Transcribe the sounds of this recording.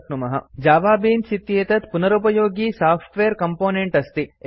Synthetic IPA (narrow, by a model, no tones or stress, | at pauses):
knumɐɦɐ̰d͡ʒaːʋaːbiːnsit̪jeːt̪ɐt̪punɐɾupɐjoːɡiːsaːfʰʈʋeːɾkɐmpoːneɳʈɐst̪i